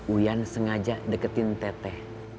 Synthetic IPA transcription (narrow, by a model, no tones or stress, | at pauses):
ujansəŋad͡ʒaʔdəkət̪ɪnt̪ɛt̪ɛh